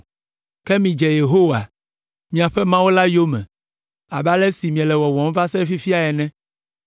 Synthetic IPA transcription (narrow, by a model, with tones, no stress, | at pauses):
kɛ˦mĩ˨d͡ʒɛ˨je˨ɦo˦wa̰˨ | mĩ˨a˨ɸɛ˦mã˦wo˦la˦jo˦mɛ̰̃˨ | a˨ba˦lɛ˦si˨mĩ˨ɛ˨lɛ˨wɔ˨wɔ̃˨m˦va˦sɛ˦fi˦fi˦a˨ɛ˨nɛ̃˦